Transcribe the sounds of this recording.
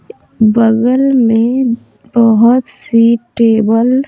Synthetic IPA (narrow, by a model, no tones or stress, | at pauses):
bəɣəlmẽ | bəɦʊt̪siʈeːbəl